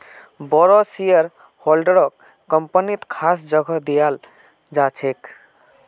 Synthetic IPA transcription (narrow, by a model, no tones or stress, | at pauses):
bɔɾɔsijəɾ | hɔlɖəɾɔkː | əmpənit̪kʰasd͡ʒəɡʱɔd̪ijal | d͡ʒat͡ʃʰek